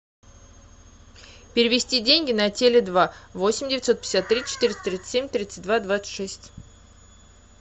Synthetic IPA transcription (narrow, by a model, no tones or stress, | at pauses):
pʲɪɾʲɪvʲɪsʲtʲidʲenʲɡʲɪnɐtʲelʲɪd̪vavo̞sʲɪmʲdʲɪvʲɪt̪so̞t̪̚pʲsʲat̪ːɾʲit͡ɕɪ̥t̪ɪɾʲɪst̪ə̥t̪ɾʲit̪ɨ̥emʲt̪ɾʲit̪sɨ̥t̚ʲd̪vad̪vat̪sɨ̥t̪ʲʂɛsʲtʲ